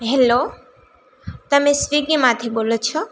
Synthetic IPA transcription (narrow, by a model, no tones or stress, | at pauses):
ɦɛlo | t̪ɐmẽsʋiɡimãt̪ʰiɓoːlot͡ʃʰo